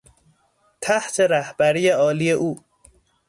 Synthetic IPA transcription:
t̪ʰæht̪ʰe̞ɾæhb̥æɾiːeɒːliːje̞ʔuː

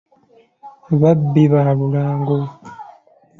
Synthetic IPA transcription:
βabːiβaβulaːŋɡo

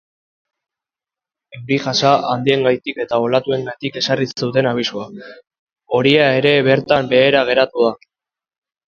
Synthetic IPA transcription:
e̞wɾiʝasaʔand̪ie̞ŋɡajt̪ike̞t̪ao̞lat̪ue̞ŋɡajt̪ike̞sariseut̪e̞naβ̞isua | o̞ɾiae̞ɾe̞βe̞ɾt̪ambe̞ːɾaɣ̞e̞ɾat̪uða

